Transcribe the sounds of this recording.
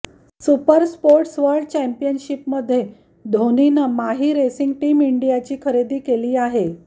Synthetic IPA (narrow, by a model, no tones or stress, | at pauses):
supəɾspoɾʈsʋəɾɖ̚t͡ɕɛmpijənɕipməd̪ʱːje | d̪ʱoninəmaɦiɾesiŋɡʈiːmiɳɖijat͡ɕiːkʰəɾed̪iːkeliːaɦe